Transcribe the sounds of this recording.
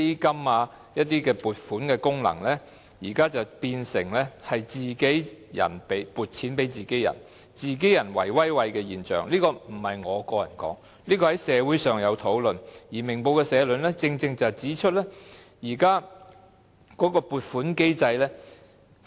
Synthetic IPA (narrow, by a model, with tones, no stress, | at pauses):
e˥jkɐ˥maː˧ | jɐ˥t̚t̪iː˥kɛː˧puː˨t̚fuː˨˥nkɛː˧kʊ˥ŋlɐ̰˨˩ŋlɛː˥ | jiː˨˩kaː˥t͡sɐ˨wpiː˧nsɪ̰˨˩ŋlɛː˥hɐ˨jt͡siː˨ke˨˥jjɐ̰˨˩npe˨˥jpuː˨˩t̚t͡sʰiː˨˥npe˨˥jt͡siː˨ke˨˥jɐ̰˨˩n | t͡siː˨˩k̬e˨˥jɐ˨˩nwɐ˨˩jwɐ˥jwɐ˧jkɛː˧jiː˨˩nt͡ʃœ̰ː˨˩ŋliː˥kɔː˧m̩˨˩hɐ˨jŋɔː˨˧kɔː˧jɐ̰˨˩nkɔ̰ː˨˥ŋ | liː˥kɔː˧hɐ˨˥jsɛː˨˧wuː˨˥jsœː˨ŋjɐ˨˧wt̪ʰo˨˥wlɵ˨njiː˨˩mɪ˨˩ŋpo˧wkɛː˧sɛː˨˧lɵ˨˧nlɛː˥t͡sɪ˧ŋt͡sɪ˧ŋt͡sɐ˨wt͡siː˨˥t͡ʃʰɵ˥t̚lɛː˥ | jiː˨˩kaː˥ | kɔː˨˥kɔː˧puː˨t̚fuː˨˥nke˥jt͡sɐ˧jlɛː˥